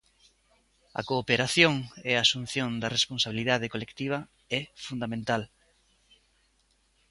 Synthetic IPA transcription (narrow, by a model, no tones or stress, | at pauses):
ɐ̰koːpeɾaθjoŋɛasun̟θjond̪ɐresponsaβ̞iliðað̞ekolekt̪iβ̞ɐ | ɛfund̪amẽnt̪al